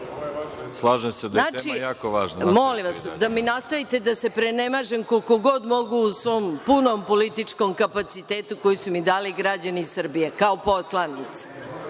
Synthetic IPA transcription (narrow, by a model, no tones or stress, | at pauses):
slˠaːʒemsed̪naːt͡ʃijaːkoʋaːʒnmolimʋasd̪aminast̪aʋit̪e̞d̪ase̞pɾenemaʒemkolkoɡo̞d̪mo̞ɡuːsʋo̞mpunompolit̪it͡ʂko̞mkapat̪sit̪eːt̪uko̞jisumid̪aːliɡɾad͡ʑaniːsr̩bijekaopo̞slˠanit̪sḁ